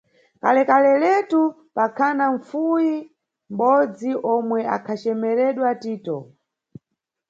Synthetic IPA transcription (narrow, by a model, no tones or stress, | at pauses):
kalɛkalɛlɛtu | pakʰanaɱfuji | m̩ɓɔd͡ziʔɔmwɛa̰kʰat͡ʃɛmɛɾɛɗwatiːtɔ